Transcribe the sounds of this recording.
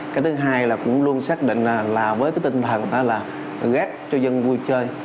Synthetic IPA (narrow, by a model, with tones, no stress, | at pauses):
kaː˨˦jt̪ʰɨ˨˦ɦaː˧jlaː˨˩kʊ̰˧˥ŋ͡mlu˧ənsaː˦˥k̚ɗḭ̈˧˨ŋ̟aː˨˩laː˨˩vəː˨˦jkaː˨˦jt̪i˧ŋ̟t̪ʰə˨˩nʔɔ̰˨˦laː˨˩ | ɣɛː˦˥k̚t͡ɕɔ˧zə˧nvu˧jt͡ɕəː˧j